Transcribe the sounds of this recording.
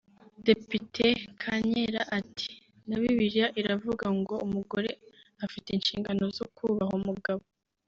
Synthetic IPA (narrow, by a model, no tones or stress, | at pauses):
de̞pitʰe̞kʰaɲeɾaʔatʰi̥ | naβiβiɾijaʔiɾavuɡaŋɡo̞umuɡo̞ɾe̞ | afiteinʃḭːŋɡano̞zo̞kuβahumuɡaβo